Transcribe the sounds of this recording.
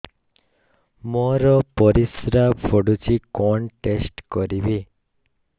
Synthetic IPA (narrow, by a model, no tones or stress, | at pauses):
mɔɾɔpɔɾisɾafʰoɖut͡ɕʰikɔɳʈesʈkoɾibe